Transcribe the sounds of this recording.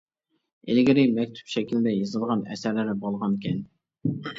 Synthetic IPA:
elɡʲɪɾɪmɛk̚ʲt̪ʰy̥pʃɛkʲild̪ɛjɑzɨlˠʁɑnɛ̰sæɾlɪɾɪbolˠʁɑnkʲʰɛn

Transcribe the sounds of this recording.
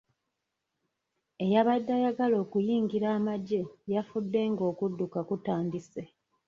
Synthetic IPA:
e̞jaβadːajaɡalo̞ːkujiːŋɡiɾaːmaɟe̞jafudːe̞ŋɡo̞ːkudːukakutaːndise̞

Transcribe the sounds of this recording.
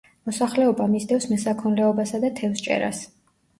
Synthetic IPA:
mɔsaχlɛɔbamizd̪ɛfsmɛsakʰɔnlɛɔbasad̪at̪ʰɛfst͡ʃʼɛ̰ɾa̰s

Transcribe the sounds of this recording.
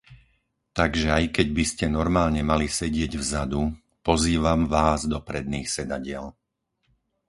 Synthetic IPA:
t̪aɡʒɛajkɛɟbiscɛnɔɾmaːlɲɛmalisɛɟɪɛɟvzad̪u | pɔziːʋamʋaːzd̪ɔpɾɛd̪niːxsɛd̪aɟɪɛl

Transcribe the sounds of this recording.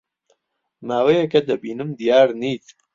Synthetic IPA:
maːwejekɐd̪ɐbiːnɨmd̪ijaːɾniːt̪ʰ

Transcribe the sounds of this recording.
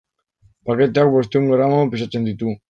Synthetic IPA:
pake̞t̪eakβest̪euŋɡoɾamapisat͡se̞nd̪it̪u

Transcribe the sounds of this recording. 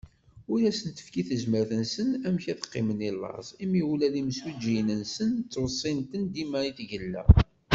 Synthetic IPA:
ʊjæsənt̪ə̥fkiθəzməɾθənsənæmçæθə̥qːɪ̰mənilːɑ̰zˤimiulæliməswid͡ʒːijnənsənt͡s̪ːwsˤːɪnt̪ənd̪imæɾiθʝəlːæ̰

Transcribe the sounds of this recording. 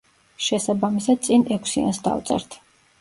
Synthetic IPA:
ʃɛsabamisad̪̚t̪sʼinɛkʷʰsia̰nsd̪a̰vt̪sʼɛ̰ɾt̪ʰ

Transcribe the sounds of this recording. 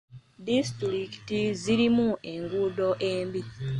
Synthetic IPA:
distɾikitiziɾimue̞ŋɡudo̞ʔeːmbi

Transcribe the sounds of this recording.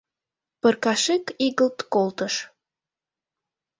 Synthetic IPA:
pərkɑʃekiɣəlt̪kolt̪əʃ

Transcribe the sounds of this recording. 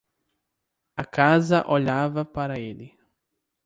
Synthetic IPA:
ɐkazɐʔoʎavɐpaɾɐeli

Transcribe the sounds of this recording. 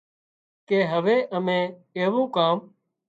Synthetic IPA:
keːɦəʋeːʔəmẽːeːʋõːkaːm

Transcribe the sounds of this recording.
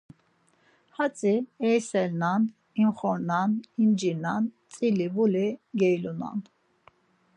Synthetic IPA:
hat͡sʼiɛjsɛlnan | imχɔɾnanimd͡ʒinant͡sʼilivuliɡɛjluna̰n

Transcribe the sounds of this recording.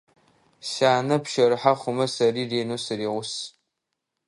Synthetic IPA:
ɕaːnɐpʃɐɾɨħaχʷʊmɐsɐriːreːnosɨɾiːʁʷʊs

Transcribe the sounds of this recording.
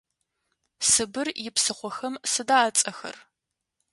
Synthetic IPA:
sɨbɨrjɪpsɨχʷɔxɐmsɨdaːt͡sʼɐxɐ̰r

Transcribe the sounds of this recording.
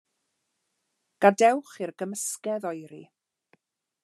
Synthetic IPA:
ɡ̥adɛwχɪrɡəməskɛðɔjɾi

